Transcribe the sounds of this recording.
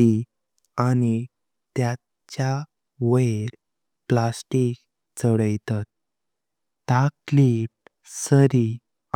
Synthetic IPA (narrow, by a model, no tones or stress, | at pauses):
i | ani | t̪ja | t͡ɕja | ʋəɾ | plasʈik̚ | t͡səɽəjt̪at̪̚ː | akliʈ̚ | səɾi